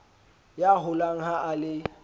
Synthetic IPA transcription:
jaɦʊlaŋ̩ɦaʔalɪ

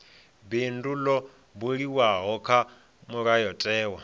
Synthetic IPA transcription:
bindulɔ | buɺiwaɦɔkʰa | muɾajɔtʼɛːwa

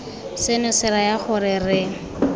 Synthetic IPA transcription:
sɪnʊsɪɾajaχʊɾɪrɪ

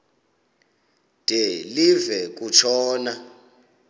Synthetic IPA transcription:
d̥ʱɛlivɛk̬ʼut͡ʃʰɔːna

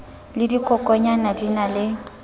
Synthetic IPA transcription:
lɪdikʼɔkʼɔɲanadinalɪ

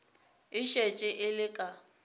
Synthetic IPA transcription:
ɪʃet͡ʃʼɪʔɪlɪkʼa

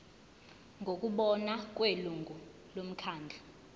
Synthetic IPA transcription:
ŋɡʱokʼuɓɔnak̬ʼweluŋɡʱu | lom̩kʰaːnd͡ɮʱa

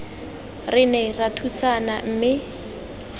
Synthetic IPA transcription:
rɪnɛratʰusanam̩ːmɪ

